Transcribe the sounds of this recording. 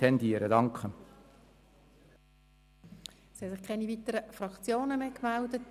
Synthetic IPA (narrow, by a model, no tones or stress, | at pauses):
ɛndiːəɾədɑŋkχə | sihɛsɪχkʰɛnivit̪əɾəfɾɑkt͡sjoːnəmeːkmældət